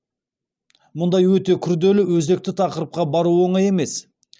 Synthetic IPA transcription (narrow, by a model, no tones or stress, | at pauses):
mʊnd̪ɑjwɵt̪e̞kʲʰʏɾd̪e̞lɪwɵzd̪e̞k̚t̪ɪt̪ʰɑqəɾəp̚qɑbɑɾuwo̞ɴɑje̞me̞s